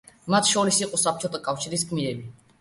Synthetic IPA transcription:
mat̪ʰʃɔɾisiqʼɔsap̚ʰt͡ʃʰɔt̪ʰakʼafʃiɾis̬kʰʼmiɛbi

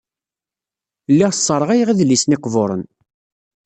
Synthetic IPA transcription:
lːiʁsˤːəɾˤəʁæjʁiðlːisniqvoɾˤə̰n

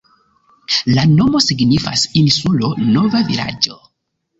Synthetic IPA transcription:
lano̞mo̞siɡnifa̰sinsulo̞no̞vavila̰d͡ʒo̞

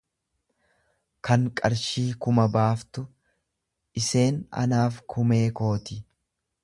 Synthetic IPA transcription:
kɐŋkʼɐɾʃiːkʊmɐbaːft̪ʊ | ʔɪse̞ːnɐ̰naːfkʰʊme̞ːko̞ːt̪ɪ

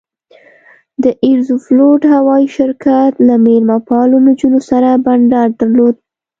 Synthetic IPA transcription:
d̪əʔɪɾzufloʈhawɑiʃɪɾkat̪lamelmɑpɑlunod͡ʒunosaɾabaɳɖɑɾd̪aɾlod̪̚

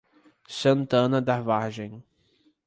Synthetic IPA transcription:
sɐ̃nt̪ɐ̃nɐd̪avaɾʒẽj̃

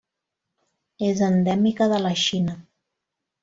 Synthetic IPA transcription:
ezənd̪ɛmikəðələʃinə

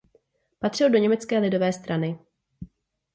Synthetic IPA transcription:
pat̪r̝̥ɪldo̞ɲɛmɛt͡skɛːlɪdo̞vɛːst̪ɾanɪ

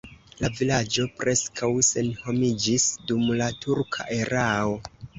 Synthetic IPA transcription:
lavilad͡ʒo̞pɾʔe̞skʰawse̞nho̞mid͡ʒisdumlatʰuɾkʰa̰ʔeɾʔao̞

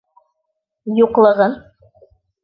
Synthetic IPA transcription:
juqlˠɤ̆ʁɤn

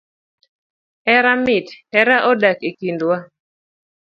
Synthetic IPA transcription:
ɛɾamɪtɛɾaʔɔdakikindwa

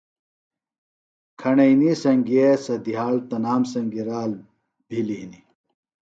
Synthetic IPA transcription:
kʰɐɳɐjnisɐŋɡiesɐd̪iɦaːlt̪ɐnaːmsɐŋɡiɾaːl | bʱilini

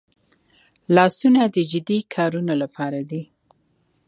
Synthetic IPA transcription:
lɑsunad̪əd͡ʒɪd̪ikʰɑɾunolapɑɾad̪i

